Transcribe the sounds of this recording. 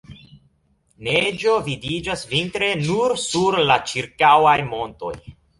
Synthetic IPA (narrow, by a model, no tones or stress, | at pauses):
ned͡ʒo̞vidid͡ʒasvintɾe̞nuɾsuɾlat͡ʃiɾkawajmo̞nto̞̰j